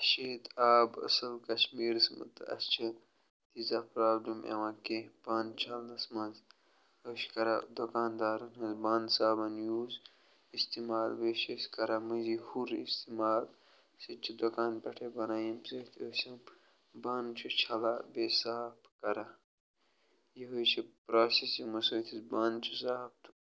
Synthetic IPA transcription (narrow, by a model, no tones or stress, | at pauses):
ʃeːt̪aːbɐ̰sɐlkɐʃmiːɾsmɐ̰t̪ɐ̰st͡ʃʰɐ | t̪izapɾaːblimḛʋãkeb̥ant͡ʃʰɐld̪ɐsmɐ̃nz | ɐʃkɐɾa̰d̪okaːnd̪aːɾɐnɦɐzbaːnsaːbɐnjuːz | ist̪imaːlbeːʃeskɐɾɐmɐzihuɾḭst̪imaːl | sit͡ʃʰid̪okaːnpɐʈʰebɐnaːjimset̪ʰosɐm | baːnt͡ʃʰut͡ʃʰɐlabesaːpkɐɾa | jiɦot͡ʃʰipɾaːsesimɐsoːt̪ʰizbaːnt͡ʃʰusaːp̚t̪